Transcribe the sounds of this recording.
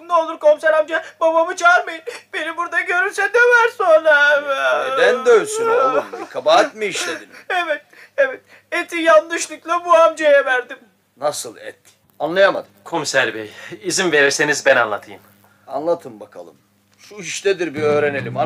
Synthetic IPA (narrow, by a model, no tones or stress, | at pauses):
nolˠuɾkʰo̞msæɾamd͡ʒababamɯt͡ʃʰaaɾmajɯnb̥e̞nibuɾd̪aɟø̞ɾynsɛd̪evæɾsonɾa | d̪ænd̪øjsynolˠkʰabaɦat̪miiʃled̪inevɛt̪̚ | evɛt̪ | et̪ʰijand̪ɯʃlˠuklˠabuamd͡ʒajɛvæɾd̪im | nasɯlˠɛ̰t̪ | anlˠajama̰d̪ɯmkʰo̞msæɾbejizinve̞ɾiɾse̞nizbænanlˠat̪ʰɯjɯm | a̰nlˠat̪ʰɯmbakʰa̰lˠɯ̰m | ʃuiʃt̪ɛd̪iɾbiøːɾenelʲima